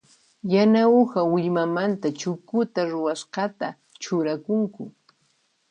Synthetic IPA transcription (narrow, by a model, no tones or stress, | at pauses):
janaʊhawɪʎmamant̪at͡ʃʊkʊt̪aɾʊwasɢɑt̪a | t͡ʃʊɾakʊŋkʊ